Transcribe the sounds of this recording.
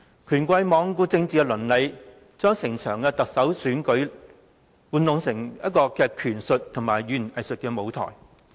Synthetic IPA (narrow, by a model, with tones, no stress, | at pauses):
kʰyː˨˩nkʷɐ˧jmɔː˨˧ŋkuː˧t͡sɪ˧ŋt͡siː˨˧kɛ˧lɵ˨˩nle˨˧j | t͡ʃœː˥ŋsɪ˨˩ŋt͡ʃʰœː˨˩ŋkɛː˧t̪ɐ˨k̚sɐ˨˥wsyː˨˥nkɵ˨˥ɥ | wuː˨˧nlʊ˨˧ŋsɪ˨˩ŋjɐ˥t̚kɔː˧kɛː˧kʰyː˨˩nsɵ˨t̚t̪ʰʊ˨˩ŋmaː˨˩jɥyː˨n˨˩ʔɐ˨jsɵ˨t̚kɛː˧mo˨˧wt̪ʰɔ̰ː˨˩j